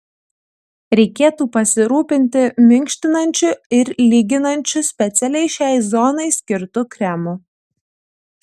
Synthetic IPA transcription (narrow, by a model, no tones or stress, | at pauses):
ɾʲɛɪkʲeːt̪uːpɐsʲɪɾuːpʲɪnʲt̪ʲɪmʲɪŋʲkʃʲt̪ʲɪnɐnʲt͡ʃʲʊɪɾlʲiːɡʲɪnɐnʲt͡ʃʲʊsʲpʲɛt̪sʲɛlʲɛɪʃʲæˑɪzɔnɐɪsʲkʲɪɾt̪ʊkɾʲɛmʊ